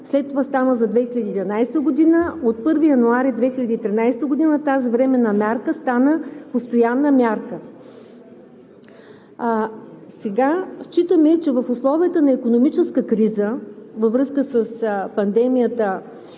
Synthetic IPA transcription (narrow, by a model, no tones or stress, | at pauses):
slɛt̪ːovast̪anəzɐd̪vɛxilʲɐd̪iːd̪vɐnajst̪əɡod̪inəot̪̚pɤɾvijɐnuaɾid̪vɛxilʲɐd̪iːt̪ɾinajst̪əɡod̪inət̪azivɾɛmɛnɐmʲjaɾkəst̪anəpost̪ojanːəmʲjaɾkə | sɛɡaʃt͡ʃit̪əmɛt͡ʃɛvəfʊslˠɔvijət̪ənɐikonomit͡ʃɛskəkɾizəvəvɾɤskəsəspɐnd̪ɛmijət̪ə